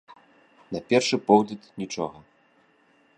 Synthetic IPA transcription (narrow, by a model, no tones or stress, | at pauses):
nɐpʲɛrʂɨpɔwlʲit̪nʲit͡ʂɔɣɐ